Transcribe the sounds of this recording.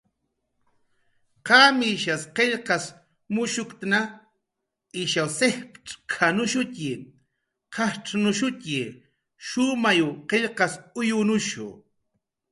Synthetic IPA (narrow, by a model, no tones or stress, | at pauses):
qɑmɪʃasqeʎqɑs | mʊʃʊkt̪na | ɪʃawsehpʈ͡ʂkʰanʊʃʊcɪ | qɑhʈ͡ʂnʊʃʊcɪ | ʃʊmajʊqeʎqɑsʊjʊnʊʃʊ̰